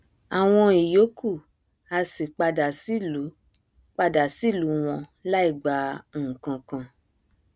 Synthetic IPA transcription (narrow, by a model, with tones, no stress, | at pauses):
a˨w̃ɔ̃˧i˨jo˨˦ku˦˨ | a˧si˨k͡pa˧da˨si˦lu˨˦ | k͡pa˧da˨si˦˨lu˨˦w̃ɔ̃˧la˦i˦˨ɡ͡ba˨˦ũ˨kã˧kã˧